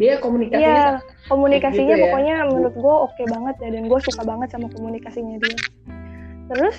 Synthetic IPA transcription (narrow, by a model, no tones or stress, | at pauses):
diakomunikaja | komunikasiɲapokoɲaməɾʊt̪̚ɡuaokebaŋət̪̚dadanɡuasukabaŋət̪samakomunikasiɲadia | t̪əɾʊs